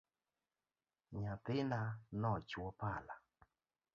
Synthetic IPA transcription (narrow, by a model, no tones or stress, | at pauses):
ɲatɪnanɔt͡ʃwɔpala